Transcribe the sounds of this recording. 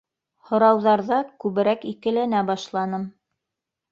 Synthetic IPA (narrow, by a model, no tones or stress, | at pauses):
hŏɾɑwðɑɾðɑkʉβɘ̆ɾækikɘ̆lænæbɑʃlˠɑnɤm